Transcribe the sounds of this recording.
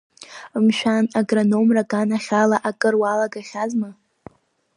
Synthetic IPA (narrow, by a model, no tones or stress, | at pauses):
mʃᶣanaɡrano̞mrakʼanaχʲalaʔakʼɨrwalaɡaχʲazma